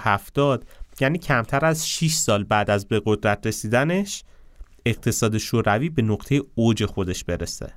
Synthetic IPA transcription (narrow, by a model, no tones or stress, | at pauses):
hæft̪ɒːd̪̥jæːniːcʰæmt̪ʰæɾæzʃiʃsɒːlbæːd̪æzbe̞ɣo̞d̪ɾæt̪ʰɾe̞siːd̪æne̞ʃ | e̞ɣ̚t̪ʰe̞sɒːd̪e̞ʃoːɾæviːbe̞noqt̪ʰejeod͡ʒe̞xo̞d̪e̞ʃb̥e̞ɾesḛ